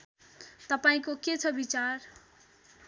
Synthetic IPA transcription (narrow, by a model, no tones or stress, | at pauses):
t̪ʌpaĩkoket͡sʰʌbit͡sar